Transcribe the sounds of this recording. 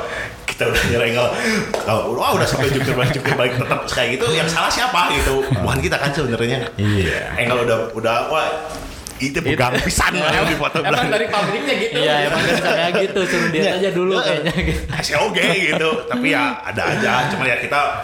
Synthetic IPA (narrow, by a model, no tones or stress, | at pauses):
ki̥t̪audahɲəɾɛŋɡalkalowaudahsampɛd͡ʒut̪ɪrbaɪk̚d͡ʒuk̚k̪ɪrbaɪk̚t̪ət̪əp̚sə̥kaliit̪ujaŋsalahsiapaɡit̪ubukankit̪akansəbənərɲaia̰eŋɡaludahudahua | it̪uɡaŋpisa̰naadifot̪obelaaŋdadipamɾɪk̚ɲaɡit̪jaemaŋataajaɡit̪utt̪uɾʊdiaɲaad͡ʒaduluɲaɡit̪asaoɡeɡit̪ut̪apijaa̰da̰a̰d͡ʒat͡ʃumanliɦat̪̚kit̪a